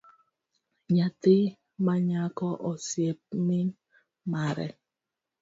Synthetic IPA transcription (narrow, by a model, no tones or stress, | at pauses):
ɲate | maɲakɔʔɔsjep̚min | maɾɛ̰